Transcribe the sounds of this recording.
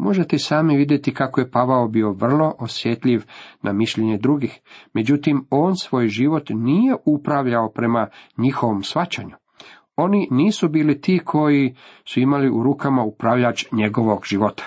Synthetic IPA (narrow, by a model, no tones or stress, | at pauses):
mo̞ʒe̞t̪esaːmiʋid̪je̞t̪ikakoje̞paʋaobio̞ʋr̩lˠo̞ʔosjet̪ʎiʋnʔamiʃʎeɲe̞d̪ɾuɡixme̞d͡ʑut̪imo̞ːnsʋo̞ːjʒiʋo̞t̪niːje̞upɾaʋʎaopɾe̞maɲixo̞ʋo̞msʋat͡ɕa̰ɲu | o̞niniːsubiːlit̪iːkʰo̞jisuimaliʔuɾuːkamaupɾaʋʎat͡ʃɲe̞ɡo̞ʋo̞ɡʒ̥iʋo̞t̪ḁ